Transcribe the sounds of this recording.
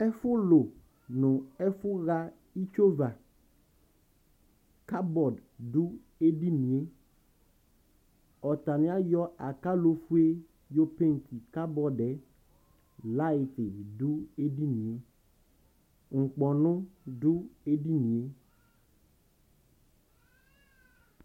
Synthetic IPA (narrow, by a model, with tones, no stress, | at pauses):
ɛ˦fʊ˦lo˨ | nʊ̃˨ɛ˦fʊ˦ɣa˦ | i˦t͡ʃo˦va˨ | ka˦bɔ˨ddu˦ | e˦di˦nĩ˨e˦ | ɔ˨t̪a˨nɪ̃˦a˦jɔ˦ʔa˨ka˦lo˦fu˦e˦ | jo˦pe˦ŋ̩˨ki˨ka˦bɔ˦dɛ˨ | la˦ɪ˨tɪ˨du˦e˦di˦nĩ˨e˦ | ŋ̩˨k͡pɔ˨nʊ̃˦dʊ˦e˦di˦nĩ˨e˦